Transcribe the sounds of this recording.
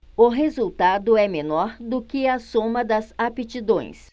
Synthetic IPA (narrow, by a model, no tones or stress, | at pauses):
ʊɦezuwt̪ad̪ʊɛmenɔɾd̪ʊkɪɐsõmɐd̪ɐzapet͡ʃid̪õj̃s